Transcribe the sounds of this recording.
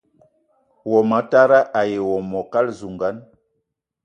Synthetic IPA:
wɔ˨ma˨˦ta˦ɾa˦ʔa˨je˨wɔ˨mɔ˨ka˦lzu˨ŋɡa˨˦n

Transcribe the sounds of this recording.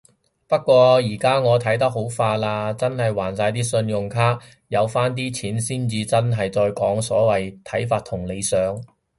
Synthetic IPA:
pɐ˥t̚kʷːɔː˧jiː˨˩kaː˥ŋɔː˨˧t̪ʰɐ˨˥jt̪̬ɐ˥k̚ho˨˥wfaː˧laː˧t͡sɐ˥nhɐ˨jwaː˨˩nsaː˧jt̪iː˥sɵ˧njʊ˨ŋkʰaː˥ | jɐ˨˧wfaː˥nt̪̬iː˥t͡sʰiː˨˥nsiː˥nt͡siː˧t͡sɐ˥nɦɐ˨jt͡sɔː˧jkɔː˨˥ŋsɔː˨˥wɐ˨jt̪ʰɐ˨˥jfaː˧t̚t̪ʰʊ˨˩ŋle˨˧jsœː˨˧˥ŋ

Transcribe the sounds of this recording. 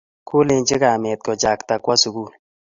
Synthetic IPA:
kʰʊ˦le˧nt͡ʃɪ˦kaː˨me˨t̪̚kɔ˨d͡ʒa˨kt̪a˨kwa˦su˨ɡuː˦˨n

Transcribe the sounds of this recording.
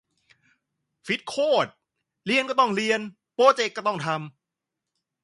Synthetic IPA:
fi˨˦˥t̪̚kʰoː˥˩t̪̚ | li˧ənkɔ˥˩t̪ɔ˥˩ŋɾi˧ən | poː˧t͡ɕe˧kːɔː˥˩t̪ɔ˥˩ŋt̪ʰa˧m

